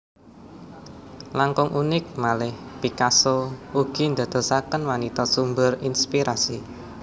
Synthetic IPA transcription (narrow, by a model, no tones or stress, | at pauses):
laŋkʊŋʔunɪk̚malɪhpikasouɡ̥i̤nd̪a̤d̪̥ɔ̤sakənwanit̪ɔsumbʊrinspiɾʔasi